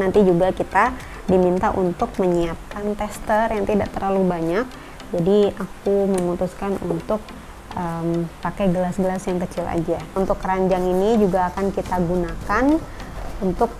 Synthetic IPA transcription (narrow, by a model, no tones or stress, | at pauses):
nant̪id͡ʒuɡakit̪a | dimint̪aʔunt̪ʊk̚məɲiap̚kant̪ɛst̪ərjaŋt̪idaʔt̪ərlalubaɲak̚ | d͡ʒadiakuməmut̪uskanṵnt̪ʊk̚ | ʔəmpakajɡəlasɡəlasjaŋkət͡ʃɪla̰d͡ʒaunt̪ʊkːəɾaɲd͡ʒaŋinid͡ʒuɡaːkankit̪aɡunakanunt̪ʊk̚